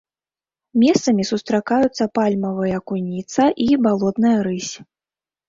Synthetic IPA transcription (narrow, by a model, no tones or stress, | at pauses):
mʲɛst̪sɐmʲisust̪ɾakajut̪sːɐpalʲmɐvɨjɐkunʲit̪sɐʔibalˠɔt̪nɨjɐɾɨsʲ